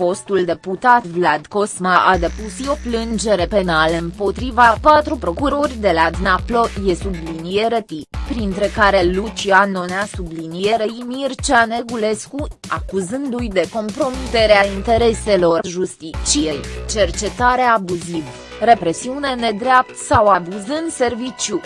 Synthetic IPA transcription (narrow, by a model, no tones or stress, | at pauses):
fo̞st̪uld̪e̞put̪at̪vlad̪ko̞smaʔad̪e̞pusio̞plɨnd͡ʒe̞ɾe̞pe̞nalɨmpo̞t̪ɾivapat̪ɾupɾo̞kuɾo̞rʲd̪e̞lad̪naplo̞je̞sublinijeɾət̪ipɾint̪ɾe̞kaɾe̞lut͡ʃianoneasublinije̞ɾeimirt͡ʃane̞ɡule̞skua̰kuzɨnd̪ujd̪e̞ko̞mpɾo̞mit̪e̞ɾeaint̪e̞ɾe̞se̞lo̞rʒust̪it͡ʃijejt͡ʃe̞rt͡ʃe̞t̪aɾeaːbuziv | re̞pɾe̞siune̞ne̞d̪ɾeap̚t̪sawabuzɨnd̪se̞rvit͡ʃju